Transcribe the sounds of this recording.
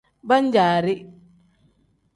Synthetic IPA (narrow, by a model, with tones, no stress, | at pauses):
ba˦ɲd͡ʒaː˨ɾi˦